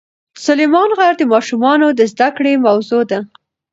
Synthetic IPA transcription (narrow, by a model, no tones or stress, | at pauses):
sʊlemɑnɣaɾd̪əmɑʃumɑnod̪əzd̪akɽemawzod̪a